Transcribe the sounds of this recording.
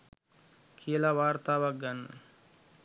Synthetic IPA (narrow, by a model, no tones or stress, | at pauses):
kʰijəlaʋaːɾt̪aːʋak̚ɡanːə